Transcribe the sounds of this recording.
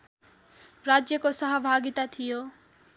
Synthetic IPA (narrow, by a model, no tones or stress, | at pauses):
ɾad͡zjʌkosʌɦʌbʱaɡit̪at̪ʰijo